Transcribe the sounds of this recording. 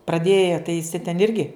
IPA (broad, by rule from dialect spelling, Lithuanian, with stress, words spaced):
prɐˈdʲeːjɛ tɐɪ ɪˈsʲɪ tʲɛn ˈɪrʲɡʲɪ